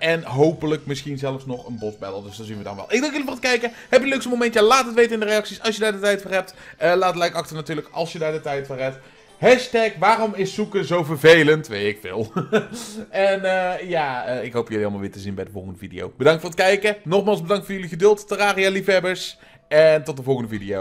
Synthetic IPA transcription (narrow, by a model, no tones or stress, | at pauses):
ɛnɦowpələkmɪsχinzɛləfsnɔχə̰nbɔfbɛ̰də̰lˠdɵsdɑnzinʋədɑ̰nʋɛ̰lˠɪɡdɑŋkjəlivʊːɹət̚kɛjkə | ɦɛpjəløksəmowmɛntjalaːtətʋejtəɪndərejɑksisɑlˠsjədaːɹdətɛjtfɛɦɛp̚təlaːtətlɛjkɑxtənatyːɹləkɑ̰lˠsjədaːɹdətɛjtfɔlɦɛp̚t | ɦɛʃtɛkʋaːrɔmɪsːukəzowvəɹvejləntʋejtɪkfɪ̰ːlˠ | ɛnəjaːəːɪkɦowpjɵliɑlˠmalʋɪ̰ːtəzinbɛjdəvɔlˠχəndəvidḭjo̰wb̥ədɑŋtfʊːɹət̚kɛjkənɔχmaːlˠzbədɑŋtfʊːɹjɵliɣədʏlˠttəraːrijalifɦɛbəɹs | ɛntɔt̚dəvɔlˠχəndəvidiow